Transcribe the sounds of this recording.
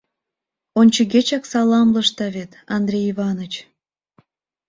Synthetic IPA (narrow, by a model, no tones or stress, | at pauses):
onʲt͡ɕəɣet͡ɕɑksɑlɑmləʃt̪ɑβet̪ɑnd̪ɾʲejiβɑnot͡ɕ